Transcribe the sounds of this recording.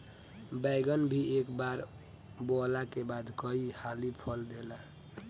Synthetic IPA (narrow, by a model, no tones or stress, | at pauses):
baɪɡənbʱiʔekbaɾ | bɔlakebad̪kəihalipʰəld̪ela